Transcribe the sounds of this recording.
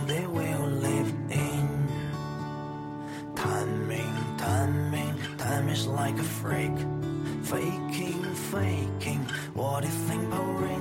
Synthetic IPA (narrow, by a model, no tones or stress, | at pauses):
ðewɪlɪvʔɪ̃n | tʰãɪ̃mmːɪ̃ŋtʰãɪ̃mːɪ̃ntʰãɪ̃mɨzlaɪkɨfɹɪkfeɪkʰɪ̃ŋ | feɪkʰɪ̃ŋ | wʔʌɾɨθɪ̃ŋəɹɪ̃